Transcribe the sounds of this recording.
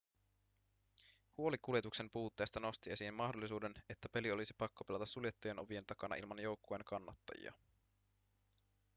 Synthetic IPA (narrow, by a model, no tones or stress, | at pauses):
huo̞likuljet̪ukse̞mpuːt̪ːe̞jst̪ɑno̞st̪ie̞siimmɑhdolːˑisuːde̞ne̞t̪ːæpe̞lio̞lisipɑkːo̞pelɑt̪ɑsulje̞t̪ːuje̞noʋie̞nt̪ɑkɑnɑ̰ʔḭlmɑnjo̞wkːoenkɑnːɑt̪ːɑ̰jḭɑ̰